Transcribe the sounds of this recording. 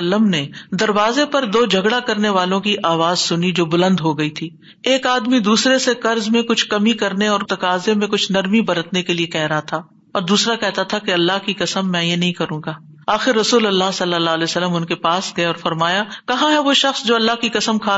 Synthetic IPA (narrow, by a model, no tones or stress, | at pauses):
lːəmned̪ɐɾʋaːzepɐɾd̪oːd͡ʒʱɐɡɽakɐɾneʋaːlõkiʔaːʋaːzsʊnid͡ʒoːbʊlə̃nd̪ɦoɡɐit̪ʰiː | eːkaːd̪mid̪uːsɾesekɐɾzmẽkʊt͡ʃʰkɐmikɐɾneɔːɾt̪ɐkaːzemẽkʊt͡ʃʰnɐɾmibɐɾət̪nekeliekɛɦɾɐɦat̪ʰaː | ɔːɾd̪uːsɾakɛɦt̪at̪ʰakeɐlːaɦkikɐsəmːɛ̃jenɐɦĩkɐɾũːɡaː | aːxɪɾːɐsuːlɐlːaɦsɐlːəlːaːlɛːsɐlːəmʊnkepaːsɡɐeɔːɾfɐɾmaːjakɐɦãɦɛʋoʃɐxsd͡ʒoːɐlːaɦkikɐsəmkʰaː